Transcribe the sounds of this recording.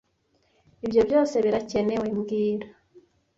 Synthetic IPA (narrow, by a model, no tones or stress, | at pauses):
ibjo̞bjo̞ːse̞βiɾace̞ne̞wemɡiːɾa